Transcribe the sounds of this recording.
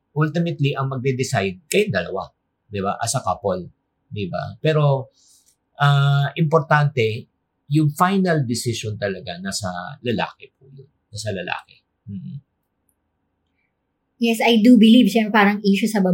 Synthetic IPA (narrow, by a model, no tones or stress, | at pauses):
ʔʊlt̪ɪmɛt̪liʔɐŋmɐɡ̚d̪ɛd̪ɪsajd̪̚kɐjond̪ɐlɐ̰wa̰ | d̪ɪba̰ʔɐsɐkapol | d̪ɪba̰pɛːɾo̞ | ʔaʔɪmpoɾt̪ant̪ɛ | jʊŋfajnɐld̪ɪsɪʃont̪ɐlɐɡanasɐlɐla̰ːkɛpuːjonnasɐlɐla̰ːkɛ | m̩ː | jɛsʔɐjd̪ubɪlivʃɛmpɾɛpaːɾɐŋiːʃosɐbɐ